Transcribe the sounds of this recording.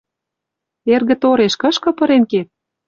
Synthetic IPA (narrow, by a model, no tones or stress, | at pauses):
erɣə̆t̪oɾeʃkɤ̆ʃkɤ̆pɤ̆ɾenket̪̚